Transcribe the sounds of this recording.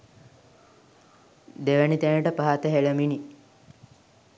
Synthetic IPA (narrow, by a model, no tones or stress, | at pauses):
d̪eʋænit̪ænəʈəpaɦat̪əɦeləmini